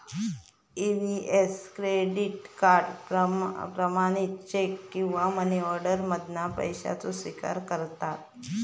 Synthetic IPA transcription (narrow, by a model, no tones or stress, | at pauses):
iniʔeskɾeɖiʈkaɾɖpəpɾəmaɽ̃it̪t͡ɕekːĩw̃ʋaməniɔɾɖəɾməd̪ʱnapə̰jɕa̰t͡sosʋika̰ɾkəɾt̪at̪̚